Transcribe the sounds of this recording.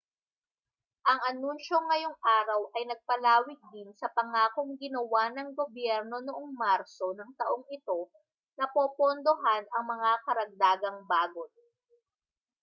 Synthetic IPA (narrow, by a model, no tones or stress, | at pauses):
ʔɐŋʔɐnunʃo̞ŋːɐjo̞ŋʔaːɾɐwʔɐjnɐɡ̚pɐlaːwɪk̚d̪ɪnsɐpɐŋaːko̞ŋɡɪnɐwanɐŋɡo̞bjɛɾno̞noʔoŋmaɾso̞nɐŋt̪ɐʔoŋɪt̪o̞ | nɐpopond̪oɦanɐŋmɐŋakɐɾɐɡ̚d̪aːɡɐŋbaːɡot̪̚